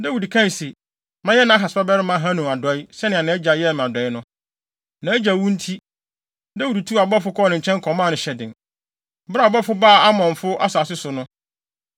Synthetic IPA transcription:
dɛ˦wu˨di˨kʰã˦˨se˨ | mã˦jɛ˦nã˨˦ɦa˨sba˦bɛ˦ɾɪ˦mã˦ɦã˦nũ˨a˨dɔ˨˦i˦sɛ˦nɪ̃˨ã˨nɪ̃˨˦ɛ˦d͡ʑa˨jɛ˦˨m˨ã˨dɔ˨ɪ˦nʊ̃˦ | nã˨˦æ˦d͡ʑa˨wũ˦n̩˦tʰi˦ | da˦wu˨di˨tʰu˦a˨bɔ˦fʊ˦kʰɔ˦nɪ̃˨ɲ̩˨t͡ɕʰɛ̃˦ŋ˦kʰɔ̃˨mã˦˨nʊ̃˨ɕɛ˨dɪ̰̃˨n˨ | ba˦˨bɔ˦fʊ˦baː˦˨a˦mɔ̃˨ɱ˨fʊ˦ʔa˦saː˨sɪ˦sʊ˨nʊ̃˦

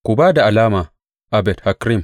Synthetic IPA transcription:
ku˨baː˦da˨ʔa˨laː˦ma˨ | ʔa˨bɛ˨dha˨kɾi˦m

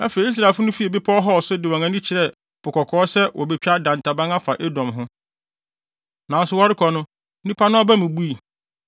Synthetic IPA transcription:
æ˦fe˨i˨˦i˦s̬ɾa˨fʊ˦nʊ̃˦fi˦ɛ˨bɪ˦pʰɔ˦ɔ˦ɦɔ˦ɔ˨sʊ˦dɪ˨wɔ̃˨ŋã˨˦nĩ˦t͡ɕʰɪ˨ɾɛ˦˨ | pʰʊ˨kʰɔ˨kʰɔː˨˦sɛ˦wʔɔ˨be˨t͡ɕᶣa˦dã˨ntʰa˨bã˦ŋa˦fa˨ʔe˦dɔ̃˨mɦʊ̃˦ | nã˨˦n˦sʊ˨wɔ˦ɾɪ˦kʰɔ˨nʊ̃˦ | nĩ˦pʰa˦nʊ̃˦ɔ˦bæ˦mũ˨bu˦i˨

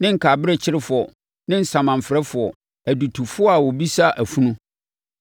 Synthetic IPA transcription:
nɪ̃˦ŋ̩˨kʰa˨bɪ˦ɾɛ˦t͡ɕʰɪ˦ɾɪ˦fʊ˨ɔ˨ | nɪ̃˦n̩˨sã˨mã˨m̩˨fɾɛ˦fʊ˨ɔ˨ | æ˨du˨tʰu˨fʊ˦ɔ˦a˨wɔ˨bi˦sa˦ʔæ˨fũ˦nũ˦

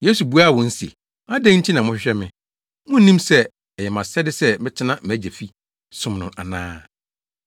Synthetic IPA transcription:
je˦su˨bu˦a˦˨wɔ̃˨n̩˦si˨ḛ˨ | a˦dɛ̃˦n̩˦tʰi˦nã˨mʊ̃˦ɕᶣɪ˦ɕᶣɛ˦mɪ̃˨ | mʊ̃˦n̩˦nĩ˦msɛ˦ | ɛ˨jɛ˨mã˨sɛ˦dɪ˦sɛ˦mɪ̃˦tʰɪ˦nã˦m̩˨æ˦d͡ʑæ˨fi˦ | sʊ̃˦mnʊ̃˨ʔa̰˨nãː˦

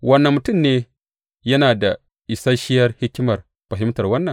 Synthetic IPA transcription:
wɐ˦nːɐ˨mːʊ˨tʊ˦˨mneː˦ | jɐ˦naː˨da˨ | ʔɪ˨sa˦ʃɪ˦jɐ˦rhɪ˦kʲːɪ˦mɐ˨r | ɸɐ˨ɦɪ˦mtɐ˨rwɐ˦nːɐ˨ŋ

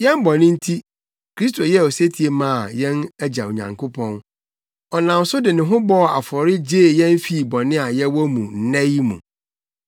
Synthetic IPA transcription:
jɛ̃˦mbɔ˨nɪ̃˦n̩˦tʰi˦ | kɾi˦s̬tʰo˨jɛ˦˨ɔ˨se˦tʰi˨e˨mã˦˨a˨jɛ̃˦næ˦d͡ʑa˨o˨ɲã̰˨ŋkʰʊ˦pʰɔ̃˦n | ɔ˨nã˨n˨˦sʊ˦dɪ˨nɪ̃˨ɦʊ̃˦bɔ˦˨a˨fɔ˨ɾɪ˦d͡ʑeː˦˨jɛ̃˦n˦fi˦˨bɔ˨nɪ̃˦a˨jɛ˦wɔ˦mũ˨n̩˨˦nɛ̃˦jmṵ̃˨

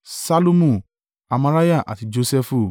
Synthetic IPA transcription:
sa˦lo˦mũ˦˨ | a˧mã˧ɾa˦ja˦˨ʔa̰˨ti˨˧d͡ʒo˧sɛ˧fu˦

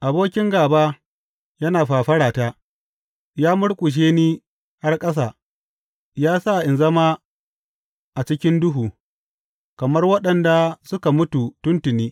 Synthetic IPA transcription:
ʔa˨boː˦kʲɪ˦ŋɡaː˨baː˦ | jɐ˦naː˨ɸaː˨ɸɐ˦ɽaː˨taː˦ | jaː˦mʊ˦ɽkʷʼʊ˨ʃ̬eː˦niː˦ | ha˦rkʼɐ˦s̬aː˨ | jaː˦sa˦˨ʔɪ˨nzɐ˦maː˦ | ʔa˨t͡ʃɪ˦kʲɪ˦ndʊ˦ɦuː˨ | kɐ˨mɐ˦rwɐ˦ɗɐ˨nda˨sʊ˦ka˨mʊ˦tu˨tʊ˦ntʊ˨niː˦

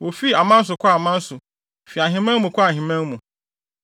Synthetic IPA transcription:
wo˨fi˦a˨mã˦n̩˦s̬ʊ˨kʰɔ˦˨mã˦n̩˦sʊ˨ | fi˨a˨ɦĩ˨mɛ̃˦nmũ˨kʰɔ˦a˨ɦĩ˨mæ̃˦nmũ˨

